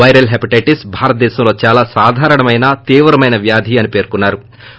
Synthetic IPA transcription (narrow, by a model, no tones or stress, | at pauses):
ɐjɾɐlɦɐpiʈeːʈisbʱaːɾɐt̪ɐd̪ɛːsɐmlo̞ːt͡ʃaːlaːsaːd̪ʱaːɾɐɳɐmɐjnat̪iːʋɾɐmɐjnɐʋjaːd̪ʱiːɐnipe̞ːɾkunːaːɾu